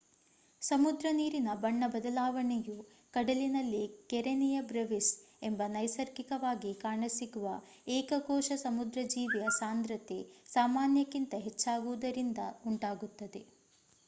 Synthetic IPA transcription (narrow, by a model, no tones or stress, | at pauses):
sɐmud̪ɾɐniːɾinɐbɐɳːɐbɐd̪ɐlaːʋɐɳeju | kɐɽɐlinɐlːikɛɾenɛjɐbɾɐʋisembɐnɐjsɐɾkikɐʋaːɡikaːɾɳɐsiɡuʋɐ | ɛːkɐɡɔːʃɐsɐmud̪ɾɐd͡ʒiːʋɛjɐsaːnd̪ɾɐt̪esaːmaːnjɐkːint̪ɐɦet͡ʃːaːɡuʋud̪ɐɾind̪ɐuɳʈaːɡut̪ːɐd̪e̞